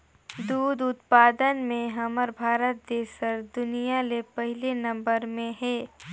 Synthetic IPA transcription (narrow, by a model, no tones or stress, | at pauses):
d̪uːd̪ʊt̪paːd̪ənmẽɦɐməɾbʱaːɾət̪̚d̪eːsəɾd̪ʊnijalepɐɦɪlenɐ̃mbəɾmẽɦɛː